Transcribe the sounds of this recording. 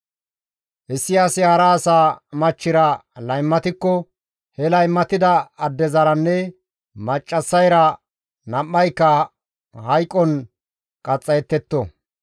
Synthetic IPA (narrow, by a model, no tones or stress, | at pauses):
ʔɛsːɪjasɪhɐɾɐːsaːmɐt͡ʃːɪɾɐlɐjmːɐt̪ɪkːɔ | hɛlɐjmːɐt̪ɪd̪ɐɐd̪ːɛzɐɾɐnːɛ | mɐt͡ʃʼːɐsːɐjɾɐ | nɐmːɐjkːɐ | hɐjkʼːɔn | kʼɐt͡sʼːɐjɛt̪ːɛt̪ːɔ